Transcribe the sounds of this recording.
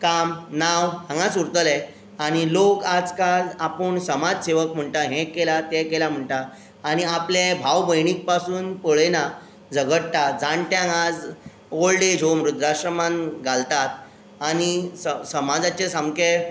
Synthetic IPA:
kamnawɦãŋɡãsuɾt̪əlɛ | aɽ̃ilokad͡zkad͡zapəɳsəmad͡zseʋəkm̤əɳʈaɦɛ̃kelat̪ɛ̃kelam̤əɳʈaː | ñiaplẽbʱawbəjɳik̚pasuːnpəɭena | d͡zəɡəɽt̪at̪̚d͡zãɳʈjãŋad͡z | oɭɖed͡ʑʱomɾud̪ɾaɕɾəmanɡʱalt̪at̪̚ | añisəsəmad͡zat͡ɕesamke

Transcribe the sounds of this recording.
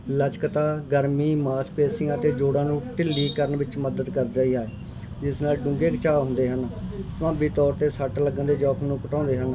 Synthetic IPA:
lət͡ʃkət̪aːɡəɾmiːmaːspeːsɪːãːt̪eːd͡ʒoːɽãːnũːʈɪlːiːkəɾəɳʋɪt͡ʃməd̪əd̪kəɾd̪aːiːaː | d͡ʒɪsnaːlɖʊ̃ŋɡeːkət͡ʃaːɦʊ̃nd̪eːɦənsəmãːbiːt̪ɔːɾt̪eːsəʈləɡənd̪eːd͡ʒɔːkʰnũːkəʈɔ̃ːnd̪eːɦən

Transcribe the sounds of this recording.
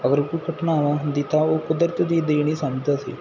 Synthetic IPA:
əɡəɾkoikəʈnaːʋãd̪ɪt̪aːoːkʊd̪əɾt̪d̪iːd̪eːɽ̃isãːmd͡ʒt̪asḭː

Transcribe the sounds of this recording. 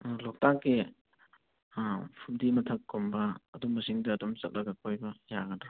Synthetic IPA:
lok̚takːe | pʰumdimɐtʰɐkːombɐːdommːɐsiŋdɐːdomt͡ʃɐt̚lʔɐɡɐkʰojbɐjaɡɐdɾa

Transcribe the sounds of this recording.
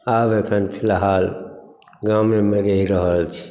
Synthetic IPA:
abekʰənpʰilɦaːl | ɡamemeɾeɦiɾəɦəlt͡ʃʰi̥

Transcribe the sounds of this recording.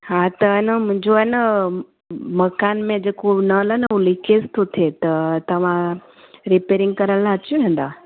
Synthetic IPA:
ɦat̪ɐɦɪnəmʊ̃ɦɪ̃ɲd͡ʑoaːɦɪnə | mɐkaːnmẽd͡ʑeːkonɐlənəulikezt̪ʰot̪ʰet̪ɐt̪ɐʋ̤ã | ɾipeːɾɪ̃ŋɡ̚kɐɾənlat͡ɕũʋẽːn̆d̪aː

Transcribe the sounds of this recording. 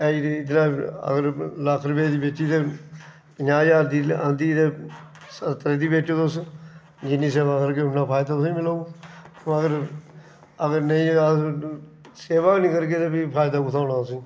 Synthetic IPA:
ɛid̪nãːə̰ɡəɾlaːkʰɾbeːd̪iːbeʈːiːd̪eː | ɲaːjaːɾd̪iːənd̪iːd̪eː | sət̪əɾed̪iːbeːʈːoːt̪os | d͡ʒɪnːiːseːʋaːkəɾɡeːʊnːaːpʰaːɪd̪aːt̪sĩmɪlaoː | əɡəɾ | əɡəɾneĩː | seːʋaːnĩːkəɾɡeːt̪eːbipʰaːjɪd̪aːkʊt̪ʰaːnãːsĩː

